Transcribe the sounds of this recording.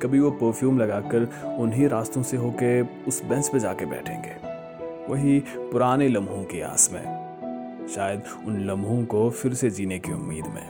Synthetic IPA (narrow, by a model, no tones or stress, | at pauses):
kɐbʱiʋopəɾfʰjuːmlɐɡaːkəɾʊnɦiɾaːst̪õseɦoːkeʊsbɛ̃ːsped͡ʒaːkebɛ̰ːʈʰḛ̃ːŋɡḛː | ʋɐɦipʊɾaːnelɐ̃mbʱõkea̰ːsmḛ̃ | ʃaːjəd̪ | ʊnlɐ̃mbʱõkofɪɾsed͡ʒiːnekiʊ̰mːḭːd̪mḛ̃ː